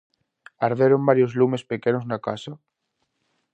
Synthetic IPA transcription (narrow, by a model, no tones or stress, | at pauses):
aɾðeɾombaɾjozlumespekenoznakasa